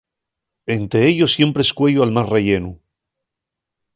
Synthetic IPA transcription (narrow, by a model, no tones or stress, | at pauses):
e̞nt̪ɾe̞eʎo̞sje̞mpɾeskwe̞ʎoalmasre̞ʝe̞nu